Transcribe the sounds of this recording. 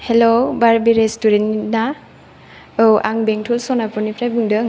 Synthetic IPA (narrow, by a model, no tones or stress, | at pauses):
helobaɾbiɾestuɾentna | ɯwʔaŋbeŋtʰulsɔnapɔnipʰɾajbɯŋdɯ